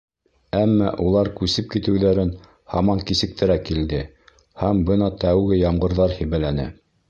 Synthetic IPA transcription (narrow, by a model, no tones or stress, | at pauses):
æmːɑʔulˠɑɾkʉsɘp̚kit̪ɘ̆wðæɾɘn | hɑmɑŋkisɘ̆k̚t̪ɘ̆ɾækild̪ɘ | hæmbɤnɑt̪æwɡɘjɑmɢɤ̆ɾðɑɾhĭβælænæ̰